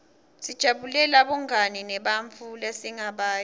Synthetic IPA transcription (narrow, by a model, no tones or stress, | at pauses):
sid̥ʒ̥ʱaɓulɛlaɓɔŋaninɛɓaɱt͡fʰulasiŋaɓaː